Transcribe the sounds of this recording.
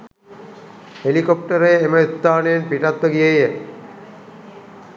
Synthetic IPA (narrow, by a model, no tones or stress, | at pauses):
helikopʈaɾeemeut̪ːaːnenpiʈat̪ːoɡijeje